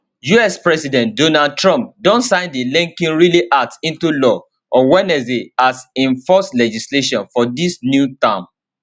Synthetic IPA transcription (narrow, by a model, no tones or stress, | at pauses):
juɛspɹɛsidɛ̃ntdonad̚tɹɔ̃mp̚dɔ̃ntsãɪ̃ndilĩŋkĩnɹiliʔatĩntulɔ | ʔɔwɛnɛziasĩɱfɔslɛd͡ʒisleʃɔ̃nfɔdisnjutãm